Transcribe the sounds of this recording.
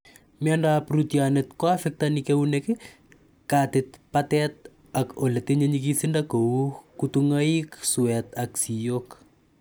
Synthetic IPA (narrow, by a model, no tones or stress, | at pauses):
mɪandapɾutjanetkoafɛk̚tanikeunekɪ | katɪtpatɛt̪̚ | akoleteɲeɲikisindakoukutuŋaiksuwɛt̪aksijok